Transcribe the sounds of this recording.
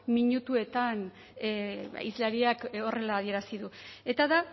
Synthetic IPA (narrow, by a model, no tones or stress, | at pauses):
miɲut̪ue̞t̪an | ḭzlaɾiako̞re̞laːð̞ie̞ɾasiðue̞t̪aða